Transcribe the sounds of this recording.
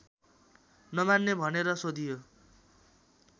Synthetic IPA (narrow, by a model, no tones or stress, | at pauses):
nʌmanːebʱʌneɾʌsod̪ʱijo